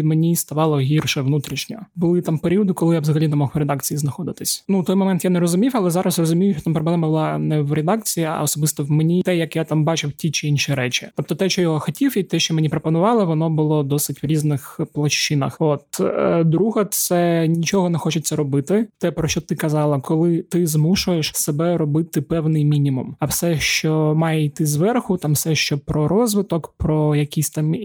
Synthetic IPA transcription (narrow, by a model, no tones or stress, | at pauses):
menʲist̪ɐʋɑlˠɔɦʲirʃɛʋnut̪ɾʲiʃnʲɔbʊlˠɪt̪ampeɾʲiɔd̪ɪkɔlˠɪjavzɐɦɐlʲinɛmɔxɾɛd̪ɑkt͡sʲijiznɐxɔd̪ɪt̪ɪsʲnut̪ɔjmɔmɛnt̪janɛɾɔzʊmʲiwɐlˠɛzɑɾɐsrɔzʊmʲijʊʃt͡ʃɔ̥t̪mpɾɔblˠɛmɐbʊlˠɑnɛwɾɛd̪ɑk̚t͡sʲijiɐ̰ɔsɔbɨst̪ɔwmenʲit̪ɛjɐkjat̪ambɑt͡ʃɪwtʲit͡ʃɪinʃiɾɛt͡ʃʲɪt̪ɔp̚t̪ɔt̪ɛʃt͡ʃɔjɔɦɔxɔtʲiwit̪ɛʃt͡ʃɔmenʲipɾɔpɔnʊʋɑlˠɪʋɔnɔbʊlˠɔd̪ɔsɪtʲʋɾʲiznɪxplˠɐʃt͡ʃɪnɐ̰xot̪d̪ɾuɦɐt̪ssɛnʲit͡ʃɔɦɔnɛxɔt͡ʃʊt͡sʲːɐɾɔbɪt̪ɪt̪ɛpɾɔʃt͡ʃɔt̪ɪkɐzɑlˠɐkɔlˠɪt̪ɪzmuʃʊjeʃsebɛɾɔbɪt̪ɪpɛwnɪjmʲinʲimumɐwsɛʃt͡ʃɔmɑjɛit̪ɪzʋɛrxʊt̪amfsɛʃt͡ʃɔpɾɔɾɔzʋɪt̪ɔkpɾɔjɐkʲisʲt̪am